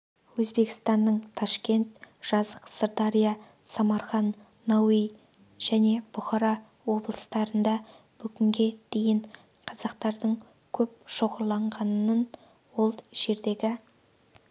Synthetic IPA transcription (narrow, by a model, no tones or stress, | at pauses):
wɵzbe̞kʲɪ̥st̪ɑnd̪əɴt̪ʰɑʃkʲe̞nt̪̚ʒ̥ɑzəqsəɾt̪ɑɾijɑ | sɑmɑɾχɑnː | owij | ʒ̥æne̞b̥ʊχɑɾɑ | wo̞blˠəst̪ɑɾənd̪ɑ | bʏɡʲɪŋɡʲe̞d̪̥e̞jɪɴ | qʰɑzɑqt̪ɑɾd̪əɴ | kʲʰɵp̚ʃo̞ʁəɾlˠɑɴʁɑnən | wo̞lˠʒ̥e̞ɾd̪e̞ɡʲɪ